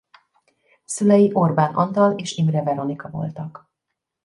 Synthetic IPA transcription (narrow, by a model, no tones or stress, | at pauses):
sylɛjiʔo̞rbaːnʔɒ̰nt̪ɒleːʃimrɛvɛɾo̞nikɒvo̞̰lt̪ɒk